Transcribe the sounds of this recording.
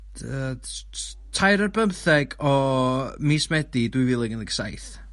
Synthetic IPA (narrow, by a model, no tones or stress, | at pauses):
ə | tʰajɾərbəmθɛɡɔmiːsmɛdidwɨjvɪlˠɪɡənðəɡsa̰jθ